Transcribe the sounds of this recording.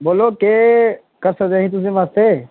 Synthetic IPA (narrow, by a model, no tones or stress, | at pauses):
boːloke | kəɾsəd͡ʒaːɦĩt̪ʊs̬ẽmaːst̪e